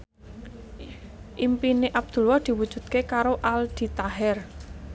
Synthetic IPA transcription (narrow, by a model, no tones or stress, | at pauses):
ʔimpineʔab̚d̪̥ṳlwahd̪̥i̤wud̥ʒ̥ṳd̪̚kekaɾoʔald̪̥i̤t̪aɦɛr